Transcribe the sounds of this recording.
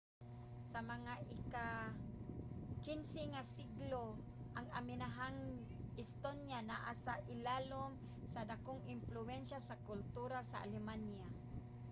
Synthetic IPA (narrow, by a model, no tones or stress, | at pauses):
samaŋaʔɪka | kɪnsɪŋasiɡlo | ʔaŋamɪnaɦaŋ | ɪst̪onjanaʔasaʔɪlalʊm | sad̪akʊŋɪmplʊɛnʃasakʊlt̪uɾasa̰ʔa̰lɛmanja